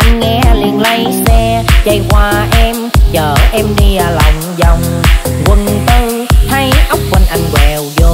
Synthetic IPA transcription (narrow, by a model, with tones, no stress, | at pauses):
ʔa˧jŋ̟ŋɛ˧li˧˩ənlə˧jsɛ˧t͡ɕə˧˩jkwaː˧ʔɛ˧mt͡ɕəː˨˩ʔɛ˧mɗi˧˨˩la˨˩wŋ͡mzɔ˨˩wŋ͡mkwə˨˩nt̪ɨ˧ | t̪ʰa˧jʔa˦˥wk͡p̚wə˨˩nʔa˧jŋ̟kwɛ˨˩wzo˨˩